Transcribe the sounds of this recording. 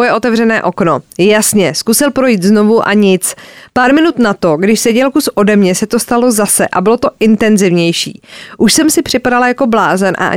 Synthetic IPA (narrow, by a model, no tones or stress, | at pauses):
ojɛʔo̞t̪ɛvr̝ɛnɛːʔo̞kno̞jasɲɛskusɪlpɾo̞jiːt̪zno̞vuʔa̰ɲɪt͡spaːɾmɪnut̪nat̪o̞ɡdɪʃsɛɟɛlkusʔo̞dɛmɲɛsɛt̪o̞st̪alozasɛʔa̰bɪlo̞t̪oʔɪnt̪ɛnzɪvɲɛjʃḭːʔuʃsɛmsɪpr̥ɪpaɾalajako̞blaːzɛnʔa̰ʔa̰